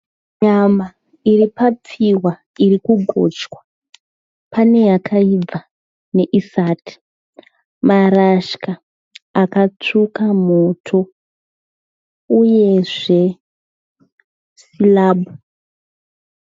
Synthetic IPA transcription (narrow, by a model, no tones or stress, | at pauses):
ɲama | iripap͡fiwa | irikuɡʱo̰t͡ʃwa | pane̞jakʰaib͡va | ne̞ʔisaːti̥ | maraʃka | akat͡sukamo̞tʰo̞ | uje̞ʐe̞ | silaːbu